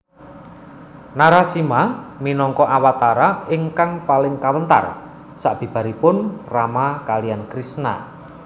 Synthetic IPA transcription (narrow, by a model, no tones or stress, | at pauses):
naɾasimaminɔŋkɔʔawat̪aɾaɪŋkaŋpalɪŋkawənt̪a̰r | saʔb̥i̤b̥a̤ɾipʊnramakalijankɾisna̰